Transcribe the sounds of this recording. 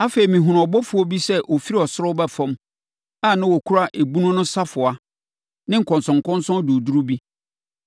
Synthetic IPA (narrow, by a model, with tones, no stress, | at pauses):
a˦fe˨i˨mĩ˨ɦʊ˨ɾɔ˨bɔ˦fʊ˨˦ɔ˦bi˦sɛ˦ʔɔ˨fi˦ɾi˦ɔ˨sʊ˦ɾʊ˦bɛ˦fɔ̃˦m | a˦˨nã˦wɔ˨kʰu˦ɾa˦ʔe˨bu˦nʊ̃˦nʊ̃˦sa˦fʊ˨a˨ | nɪ̃˦ŋ̩˨kʰɔ̃˨nsɔ̃˨ŋ̩˨kɔ̃˦n˦sɔ̃˦n˦du˨du˦ɾu˦bi˦